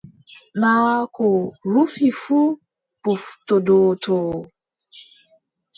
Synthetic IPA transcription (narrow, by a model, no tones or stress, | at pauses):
nawakʊɾufifu | puftodotʰʊ